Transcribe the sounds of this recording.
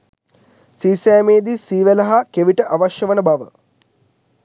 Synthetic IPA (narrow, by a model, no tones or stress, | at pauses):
siːsæːmeːd̪isiːʋəlɐɦakeʋiʈəʔaʋaʃjəʋənəbaʋə